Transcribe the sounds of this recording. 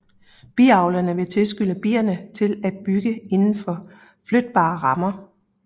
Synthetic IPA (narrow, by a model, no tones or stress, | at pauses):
b̥ḭːɑ̈ʊlɐnəʋe̝t͡sʰe̝lsɡ̥yləb̥ḭːɐnət͡sʰe̝læd̥̚b̥yɡ̥əe̝nn̩fɒ̽ | flød̥̚b̥ɑ̰̈ːʁɑ̈mɐ